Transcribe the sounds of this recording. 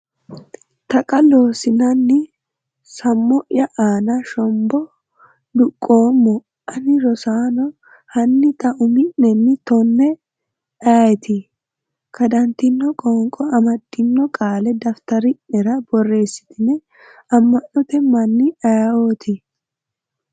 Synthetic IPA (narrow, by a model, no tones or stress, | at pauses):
t̪ɐkʼɐlo̞ːsɪnɐnːɪ | sɐmːɔʔjɐʔaːnɐʃɔmbɔ | d̪ʊkʼːoːmːɔ | ʔɐnɪɾɔsaːnɔ | hɐnːɪt̪ɐʔʊmɪʔːɛnːɪt̪ɔnːɛ | aːjɛt̪ɪ | kʰɐd̪ɐnt̪ɪnːɔkʼɔːŋkʼɔɐmɐd̪ːɪnːɔkʼaːlɛd̪ɐft̪ɐɾɪʔɛɾɐbɔrːe̞ːsːɪ̥t̪ɪnɛ | ɐmːɐnːɔt̪ɛmɐnːɪʔɐjɐoːt̪ʰɪ